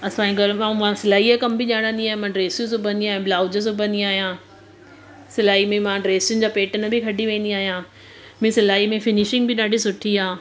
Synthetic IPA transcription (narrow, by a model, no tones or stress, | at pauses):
ɐsãːĩɡɐɾmãmãsɪlaːɦiakɐmbɪʄaːɽ̃ə̃nd̪iaːɦẽmãːɖɾeːsjũs̬õbɐ̃niaːɦiãblaːʊd͡ʑəs̬obɐ̃nd̪iaːɦijãː | sɪlaːɦimẽmãɖɾeːsjʊnɪd͡ʑaːpeːʈənbʱɪkʰɐɖiʋẽːnd̪iaːɦijãː | mẽsɪlaːɦimẽfɪnɪʃɪ̃ŋɡbʱɪɗaːɖʱisʊʈʰiɦaː